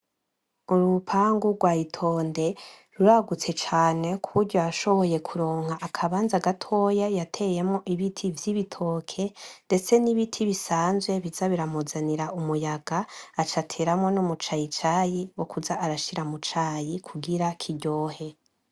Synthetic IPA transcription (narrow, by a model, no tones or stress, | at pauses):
uɾupʰaŋɡuɡwaːitʰo̞ːnde̞ | ɾuɾaɡut͡se̞t͡ʃaːne̞kʰuuɾɟoaʃo̞βo̞je̞kʰuɾo̞ːŋ̥haʔakʰaβaːnzaɡatʰo̞jajatʰe̞je̞mŋoʔiβitʰivjiβitʰo̞ːkʰe̞nde̞t͡se̞niβitʰiβisaːnzwe̞βizaβiɾamozaniɾaʔumujaɡaːt͡ʃatʰe̞ɾamŋo̞nomut͡ʃajit͡ʃajiwo̞kuzaʔːɾaʃiɾamut͡ʃaːjikʰuɡiɾakʰiɟo̞ːhe̞